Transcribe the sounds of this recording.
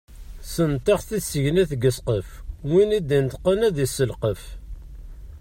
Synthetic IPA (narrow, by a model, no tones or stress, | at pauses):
sənt̪ɑχθisːəʝnæθɡəsqəfwinid̪int̪qːənæðisəlqəf